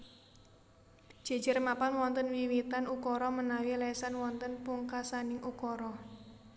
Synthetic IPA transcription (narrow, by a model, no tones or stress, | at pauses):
d̥ʒ̥e̤d̥d͡ʒ̥ə̤rmapanwɔnt̪ənwiwit̪anukɔɾɔmənawilɛsanwɔnt̪ənpuŋkasanɪŋukɔɾɔ